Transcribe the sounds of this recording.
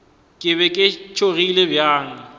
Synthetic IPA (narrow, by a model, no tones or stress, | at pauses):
kʼɪβɛkʼɪt͡ʃʰoɣilebjaːŋ̩